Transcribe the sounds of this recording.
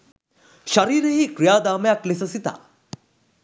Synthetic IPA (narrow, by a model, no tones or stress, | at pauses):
ʃɐɾiːɾeɦikɾijaːd̪aːmɐjaklesɐsit̪a̰ː